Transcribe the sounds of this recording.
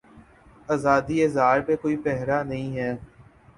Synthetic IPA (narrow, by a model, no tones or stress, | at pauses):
aːzaːd̪iezaːɾpekoːipɛɦɾanɐɦĩːɦɛː